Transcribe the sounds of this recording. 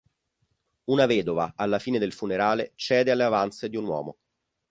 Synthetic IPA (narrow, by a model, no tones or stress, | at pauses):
unavɛːd̪ova̰alːafiːned̪elfuneɾaːlet͡ʃɛːd̪ealːeavant̪sed̪iunwɔ̰ːmo̰